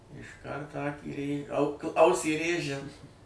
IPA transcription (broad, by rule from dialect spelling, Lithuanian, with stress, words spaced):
ɪʃˈkɐrt ˈɑːkʲiː rʲeː ɐʊ k ˈɐʊsʲiː ˈrʲeːʒʲɛ